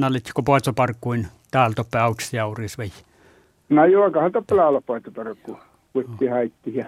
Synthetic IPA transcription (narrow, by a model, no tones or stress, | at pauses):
nɑlːet̪ʲkopoˑet̪sopɑrkːuin | t̪æːlt̪opːeɑuksjɑurisʋej | nɑjoɑkɑhɑlt̪opːelæːˑlɑppɑˑet̪ːopɑrkːu | kuet̪ːiːhɑit̪ːihjɑ